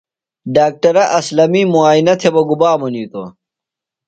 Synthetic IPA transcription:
ɖaːk̚ʈɐɾɐʔɐslɐmiːmuaːinɐt̪ʰebɐɡubaːmoniːt̪o̰

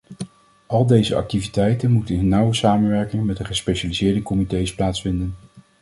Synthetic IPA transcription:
ʔɑlˠdejzəʔɑ̰k̚tivitɛjtənmutənənːʌwəsaːmənʋɛɹkɪŋmɛtdəχəspejʃaːlizɪːɹdəkɔmitejsplaːtsfɪndən

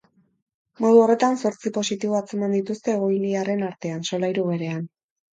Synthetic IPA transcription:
mo̞ð̞uo̞re̞t̪anso̞ɾt͡sipo̞sit̪iβo̞at͡se̞mand̪it̪ust̪e̞ːɣ̞o̞jliare̞naɾt̪e̞anso̞lajɾuɣe̞ɾe̞an

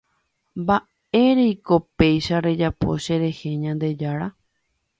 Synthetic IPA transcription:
mba | e̞ɾeiko̞pe̞jʃaɾe̞d͡ʒapo̞̰ʃe̞ɾe̞he̞ɲãnd̪e̞d͡ʒaɾa

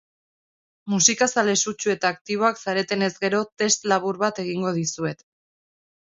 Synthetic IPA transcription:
musikasale̞sut͡ʃue̞t̪aːk̚t̪iβ̞o̞aksaɾe̞t̪e̞ne̞zɡe̞ɾo̞t̪e̞st̪laβ̞uɾβat̪e̞ɣ̞iŋɡo̞ð̞isue̞t̪

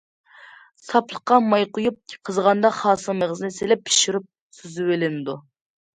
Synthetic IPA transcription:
sɑplˠəqːɑmɑjqʊjup̚ʰqʰːəzʁɑnd̪ɑχɑːsɨməʁəzɨnɨselɛpʰːi̥ʃiɾyp̚ | syzywelɪnɪd̪u

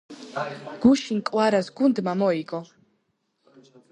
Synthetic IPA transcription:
ɡ̥uʃinkʼwaɾasɡund̪mamɔiɡɔ

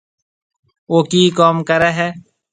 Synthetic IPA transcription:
oːkiːkaːmkəɾɛːɦɛː

